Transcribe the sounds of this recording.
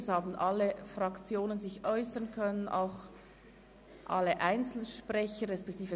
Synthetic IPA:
shaːbn̩ʔɑlːəfʁɑkt͡sjoːnənzɪçʔɔʏsənkʰœnənʔa̰ʊx | ʔɑ̰ləʔaɪnt͡sl̩ʃpʁɛçəʁɛspɛk̚tʰiːfə

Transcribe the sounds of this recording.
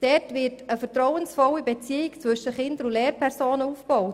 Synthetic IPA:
d̥ɛtvɪɾtəfəɾtɾɔwənsfɔwibɛt͡siːɪkt͡sʋɵʃəχɪnd̪əɾʊlɛːɾpʰɛɾsoːnəufb̥ɔʊt

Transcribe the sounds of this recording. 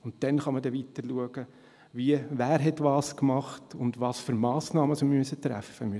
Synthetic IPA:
ʊntdɛnχɑmədɛʋitəɾluəɡ̥ə | ʋiəʋæːɾɦɛtʋɑːskmɑχtʊndʋɑːsfʏɾmɑːsnɑːməsomyəsət̪ɾæ̰fəmyə

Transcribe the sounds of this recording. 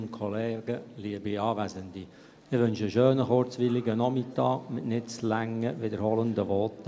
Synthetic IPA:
nkʰɔlɛːɡ̥əliəbiɑːʋæzəndi | ɪʋʏnʃəʃøːnəχʊɾt͡sʋɪlɪɡənɔmɪtɑːkmɪtnɪt͡slæŋəvɪdəɾhɔləndəʋɔt

